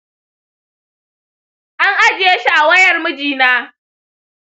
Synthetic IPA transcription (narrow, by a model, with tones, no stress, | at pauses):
ʔa˦ŋʔa˦d͡ʒɪ˨je˦ʃi˦˨ʔa˨wɐ˦jɐ˨rmʊ˦d͡ʒiː˨naː˦